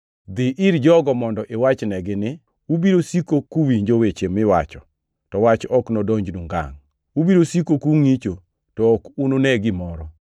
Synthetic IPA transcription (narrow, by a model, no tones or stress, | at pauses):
d̪ɪʔiɾd͡ʒɔɡɔmɔndɔʔewat͡ʃnɛɡɪnɪ | ubiɾosikokuwiɲd͡ʒowet͡ʃemɪwa̰t͡ʃɔ | tɔwat͡ʃɔknɔdɔɲd͡ʒnuŋɡa̰ŋ | ubiɾosikokuŋit͡ʃo | tɔkunonɛɡɪmɔɾɔ